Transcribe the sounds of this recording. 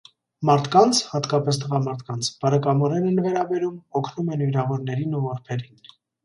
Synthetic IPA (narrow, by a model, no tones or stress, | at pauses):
mɑɾt̪ʰkɑnt͡sʰhɑt̪kɑpɛst̪əʁɑmɑɾt̪ʰkɑnt͡sʰb̥ɑɾɛkɑmɔɾɛnɛnvɛɾɑbɛɾumɔkʰnumɛnviɾɑvɔɾnɛɾinuvɔɾpʰɛɾin